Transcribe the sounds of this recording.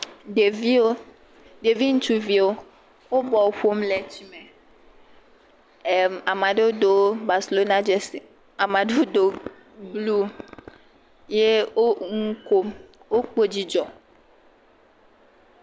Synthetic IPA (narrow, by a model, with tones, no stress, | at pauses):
ɖe˨vi˦o˦ | ɖe˨vi˦ŋ̩˦t͡ʃu˨vi˨wo˦ | wo˦bɔ˨ɸo˦mlɛ˨t͡ɕi˦me˨ | ɛ˨a˨mã˨ɖe˦wo˦ɖo˨˦ba˨se˨lo˦na˦d͡ʒɛ˦si˨ | a˨mã˨ɖe˦o˦ɖo˨ | blu˦ | je˦wo˦ŋu˦ko˦m | wo˦k͡po˦d͡ʑi˦d͡ʒɔ˨